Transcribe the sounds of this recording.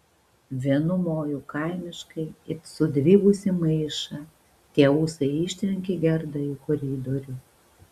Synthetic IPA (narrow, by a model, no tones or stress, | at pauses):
ʋʲiɛnʊmoːjukɐɪmʲɪʃkɐɪɪsʊd̪ʲʋʲiːɡʊsʲɪmɐɪʃɐ | t̪ʲiɛuːsɐɪɪːˑʃʲt̪ʲɾʲɛŋʲkʲeɡʲɛɾd̪ɐɪkɔɾʲiːd̪ɔɾʲʊ